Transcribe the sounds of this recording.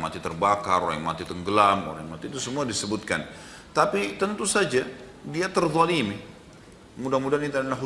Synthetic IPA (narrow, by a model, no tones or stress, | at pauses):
ma̰t̪it̪ərbakaɾoɾa̰ŋma̰t̪it̪əŋɡəlamo̰ɾa̰ŋmat̪iːt̪usəmuadisəbut̪̚kan | t̪apit̪ənt̪usad͡ʒa | diat̪ərðˤɑlimi | mudamudaɦnit̪uaalaɦ